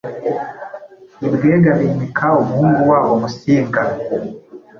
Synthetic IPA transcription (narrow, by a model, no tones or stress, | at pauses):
ibɡeɡaβimikʰaumuhuːŋɡuwawomusiːŋɡa